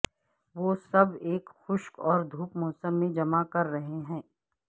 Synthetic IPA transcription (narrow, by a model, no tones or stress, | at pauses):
ʋoːsɐbeːkxʊʃkɔːɾd̪ʱuːpmɔːsəmːẽd͡ʒɐmakɐɾːɐɦeɦɛ̃ː